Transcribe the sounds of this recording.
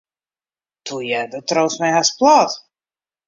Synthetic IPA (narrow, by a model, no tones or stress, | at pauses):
t̪ujɛdət̪rowsmɛjɦasplˠɑːt̪